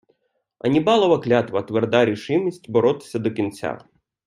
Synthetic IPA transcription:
ɐ̰nʲibɑlˠɔʋɐklʲat̪ʋɐt̪ʋerd̪aɾʲiʃɪwnʲisʲtʲbɔɾɔt̪ɪ̥sʲɐd̪ɔkʲint͡sʲa̰

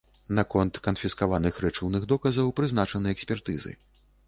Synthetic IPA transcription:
nakɔnt̪kɐnfʲiskavanɨxɾɛt͡ʂɨwnɨɣd̪ɔkɐzɐwpɾɨznat͡ʂɐnɨjɛksʲpʲɛrt̪ɨzɨ̰

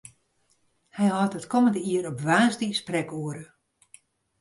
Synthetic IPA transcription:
hɛjɦɔtətkʰɔməndəiəɾɔpʋaːsdisprɛkuəɾə

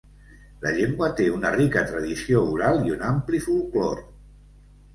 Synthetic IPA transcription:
ləʎeŋɡwət̪eunərikət̪ɾəðisiouɾalˠiunamplifulˠklɔ̰ɾ

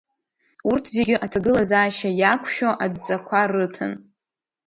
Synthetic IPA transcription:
urtʰzeɡʲɪʔatʰaɡɨlazaːʃajakʷʰʃᶣoʔadt͡sʼakʷʰarɨtʰɨ̰n

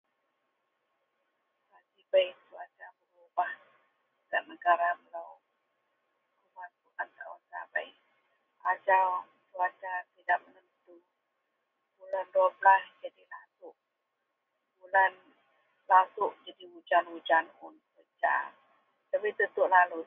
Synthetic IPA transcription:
kad͡ʒibajt̪uat͡ʃabəɾubah | kaʔ̚nəɡaɾabəlaw | kumatuʔant̪awasa̰ba̰j | ad͡ʒaw | t̪uat͡ʃat̪idaʔmənənt̪u | bulanduabəlasd͡ʒadilasʊʔ | bulan | lasʊʔd͡ʒadiud͡ʒanud͡ʒanʊnkəd͡ʒa̰ | t̪abit̪ət̪ʊʔlalu

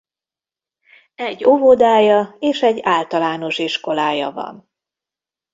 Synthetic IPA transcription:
ɛɟːo̞vod̪aːjɒeːʃɛɟːaːlt̪ɒlaːno̞ʃiʃko̞laːjɒ̰vɒ̰n

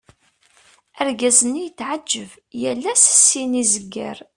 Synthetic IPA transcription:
əɾɡæzənːijət͡sːʕad͡ʒːəv | jælːæsə̥sːinizəɡːæ̰ɾ

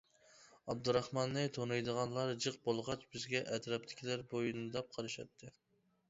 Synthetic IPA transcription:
ɑb̚d̪uɾɑχmɑnːɨt̪ʰonɑjd̪əʁɑnlˠɑɾd͡ʒɨq̚bolˠʁɑt͡ʃbɪzɡʲɛʔɛt̪ɾɑp̚t̪ʰɪ̥kʲʰilæɾbojunɨd̪ɑp̚qʰɑɾɨʃɑ̰t̪ʰːɨ

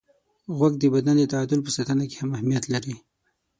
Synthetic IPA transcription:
ɣwaɡ̚d̪əbad̪and̪ət̪aɑd̪ʊlpəsat̪anake̥hamahmijat̪laɾi

